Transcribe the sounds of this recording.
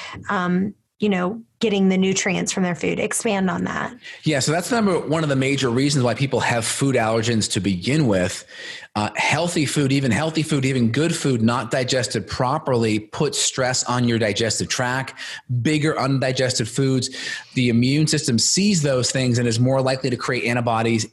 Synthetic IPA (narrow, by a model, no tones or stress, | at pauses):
ʌ̃m | jɨnoʊɡ̥ɛɾɪ̃ŋðɨnʉtʰɹ̥iɨ̰̃nsfɹʌ̃mðə˞fʉ̰ɾɨ̰kspæ̃ndn̩ðæ̰t̚jæsoʊðætsəmɛ̃mbə˞wʌ̃nʌvðɨmeɪd͡ʒə˞ɹizn̩zwaɪpʰipl̩ˠɨv̥fuɾælˠə˞d͡ʒɨ̃nz̥tʰɨbɨɡɪ̃nwɪð̥ | hɛlˠθifʉɾivɨ̃nɦɛlˠθifʉɾivɨ̃nɡʊd̥fʉdⁿnət̚d̥aɪd͡ʒɛstɨd̚pʰɹ̥ɑpə˞lˠipʰʊtstɹ̥ɛsn̩jə˞daɪd͡ʒɛstɨv̥tʰɹ̥ækbɪɡə˞ʔʌ̃ndaɪd͡ʒɛstɨd̥fudzðiɨmjʉ̃nsɪstɨ̃msizðoʊz̥θɪ̃ŋzɨ̃ñɨzmɔɹlaɪkliɾɨkʰɹ̥ieɪɾæ̃ɾ̃əbɑɾiz